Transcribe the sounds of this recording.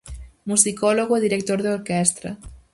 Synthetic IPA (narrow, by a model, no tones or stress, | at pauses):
musikɔloɣoeðiɾek̚t̪oɾðeoɾkɛst̪ɾɐ̰